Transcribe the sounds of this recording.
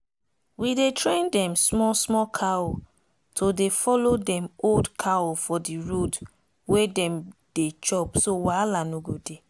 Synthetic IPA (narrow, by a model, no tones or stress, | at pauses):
widetɾẽndɛ̃msmɔsmɔkʰao | tʰodefɔlodɛ̃moldkʰawofɔdiɹod | wedɛ̃md̥et͡ʃɔpsowalanuɡode